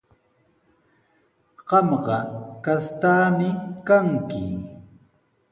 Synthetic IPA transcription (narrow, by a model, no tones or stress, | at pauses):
ɢ̥ɑmɢɑkast̪aːmɪkaŋkɪ̰